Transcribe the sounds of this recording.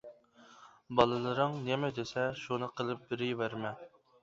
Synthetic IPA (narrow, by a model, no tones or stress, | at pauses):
bɑlˠɨlˠɨɾɨŋnemɛd̪esɛʃunɨqʰəlˠɨp̚bɪɾɪjvæɾmɛ